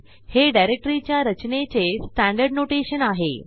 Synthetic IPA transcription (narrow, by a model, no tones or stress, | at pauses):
heɖajɾek̚ʈɾit͡ɕjaɾət͡ɕnet͡sesʈæɳɖəɾɖnoʈeɕənaɦḛ